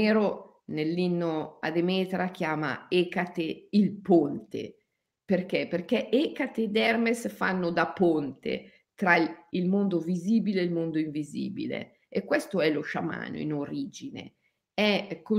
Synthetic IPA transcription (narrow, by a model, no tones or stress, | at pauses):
eːɾo | nelːinːoa̰d̪emɛːt̪ɾak̟jaːma̰ekat̪eilpont̪ḛ | perkɛperk̟ɛʔɛkat̪ed̪ɛrmesfa̰nːod̪apont̪ḛ | t̪ɾailmond̪oviziːbileːlmond̪oiɱvizḭːbḭlḛ | ekwɛst̪oɛloʃama̰ːno̰ḭnoɾiːd͡ʒinḛ | ɛkːo